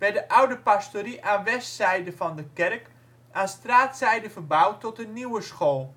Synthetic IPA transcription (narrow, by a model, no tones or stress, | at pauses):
ʋɛdəʔawdəpastoriʔaːnʋɛstsɛjdəfɔndəkɛrk | aːstraːtsɛjdəfərbawtːɔtəniwəsxoːlˠ